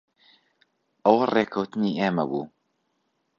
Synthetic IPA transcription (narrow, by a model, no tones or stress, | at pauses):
ʔɐwɐreːkʰɐwt̪ɨniːeːmɐbuː